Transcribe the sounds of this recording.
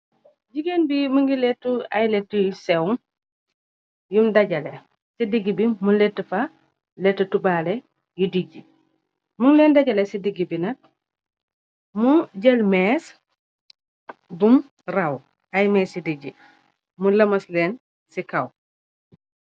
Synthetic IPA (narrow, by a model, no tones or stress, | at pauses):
d͡ʒiɡenbimuŋɡiletːuajletːujsewm | jumdaɟɐle | sidiɡibimuletːəfa | letːutubale | judiɟi | muŋleːndaɟɐlesidiɡibinɐt̚ | muɟelmes | bum | raw | ajmɛsidiɟi | mulɐmɐsleːn | sikaw